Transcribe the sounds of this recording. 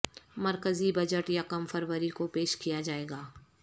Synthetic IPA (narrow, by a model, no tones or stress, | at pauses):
mɐɾkəzibɐd͡ʒəʈjakɐmfɐɾʋəɾikopeːʃkijad͡ʒaːeːɡaː